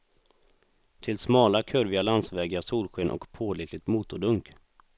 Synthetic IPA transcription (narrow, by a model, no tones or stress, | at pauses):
t̪ʰɪlsmɑːlakʰœɾvɪalansvɛːɡasuːlɧeːnʔɔ̰kpʰoːlɪːklɪt̪muːt̪ʊɖɵŋk